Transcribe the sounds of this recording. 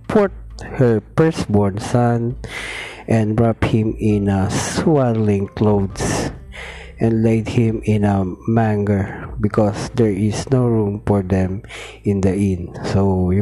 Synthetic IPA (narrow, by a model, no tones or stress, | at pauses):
pʰɔɹt̪̚hɛɹpɛɹsbɔɹnsʌn | ʔɛ̃nɹaphɪ̃mɪ̃naswadlɪ̃ŋklowd̪s | ʔɛ̃ndlejd̪̚hɪ̃mɪ̃nɐmæ̃ŋɡəɹbɪkɔsd̪ɛɹɪsnoɹũmfɔɹd̪ɛ̃m | ɪ̃nd̪ɐʔɪ̃nsoj